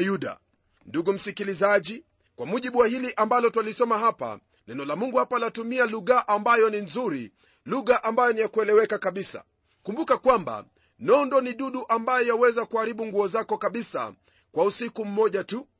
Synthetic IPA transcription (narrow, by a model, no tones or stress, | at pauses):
juɗa̰ | nduɡum̩sikilizaʄi | kwamuʄiɓuwahiliʔambalɔtwalisɔmaɦapa̰ | lɛnɔlamuŋɡuhapalatumialuɣaʔambajɔninzuɾi | luɣaʔambajɔnijakuɛlɛwɛkakaɓisa̰ | kumbukakwamba̰ | nɔndɔniɗuɗuʔambajɔjawɛzakuaɾiɓuŋɡuɔzakɔkaɓisa̰ | kwausikum̩mɔʄatu